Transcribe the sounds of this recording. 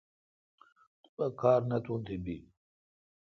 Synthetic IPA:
t̪ubɐkʰaːɾnɐt̪ʰunt̪ʰibi

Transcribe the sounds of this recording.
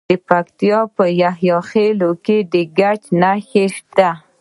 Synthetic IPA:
əpakt̪ijɑpəjahjɑxeloked̪əɡat͡ʃnaxeʃt̪a

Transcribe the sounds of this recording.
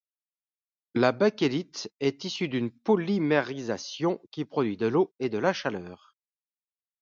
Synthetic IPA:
labakelit̪ɛt̪isyd̪ynpɔlimeʁizasjɔ̃kʲipχɔd̪ɥid̪əloed̪əlaʃalœːʁ

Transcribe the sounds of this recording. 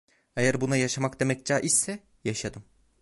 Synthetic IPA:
ejæɾbunajaʃamakd̪e̞mɛc̚d͡ʒaːʔisːɛ | jaʃad̪ɯm

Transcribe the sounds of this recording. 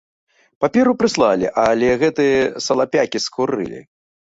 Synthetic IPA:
papʲɛɾupɾɨslˠalʲḭʔalʲɛɣɛt̪ɨjɛsɐlˠapʲakʲiskuɾɨ̰lʲḭ

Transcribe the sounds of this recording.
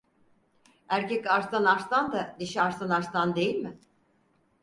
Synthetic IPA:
æɾcʰɛcaɾst̪anaɾst̪and̪aniʃiaɾsanaɾst̪and̪e̞jilʲmɪ

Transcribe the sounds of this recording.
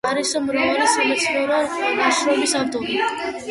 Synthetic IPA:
aɾisɔmɾavalisamat̪sʰχɛɾanaʃɾɔbisavd̪ɔli

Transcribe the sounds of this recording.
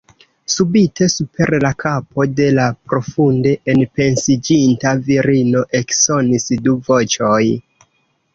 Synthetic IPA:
subitʰe̞supʰe̞ɾlakʰapo̞de̞lapɾo̞funde̞ʔenpe̞nsid͡ʒintaviɾino̞ʔe̞kso̞nisduvo̞t͡ʃo̞j

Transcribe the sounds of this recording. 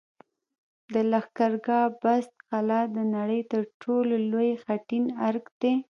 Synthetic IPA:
d̪əlaxkaɾɡɑbast̪xalɑd̪ənaɽəjt̪əɾʈʰololojxaʈinaɾkd̪̥e

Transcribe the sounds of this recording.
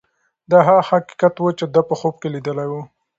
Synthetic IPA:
d̪ɑɦahaqi̥kat̪wət͡ʃed̪apəxob̚kelid̪əlajwu

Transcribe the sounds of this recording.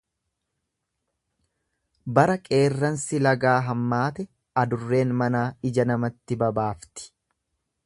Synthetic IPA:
bɐɾɐkʼe̞ːrːɐnsɪlɐɡaːɦɐmːaːt̪ɛ | ɐd̪ʊrːe̞ːnmɐnaːɪd͡ʒɐnɐmɐt̪ːɪbɐbaːft̪ɪ̥

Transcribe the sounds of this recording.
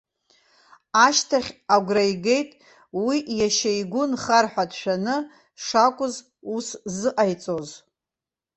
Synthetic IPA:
aʃtʰaχʲaɡʷrajɡe̞jtʼ | wijaʃejɡʷʊnχarħʷᶣadʃᶣanɨ | ʂakʷʼʊz | uszɨʔajt͡sʼo̞z

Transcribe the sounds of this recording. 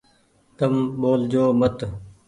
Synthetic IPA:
t̪ɐmboːld͡ʑoːmɐt̪

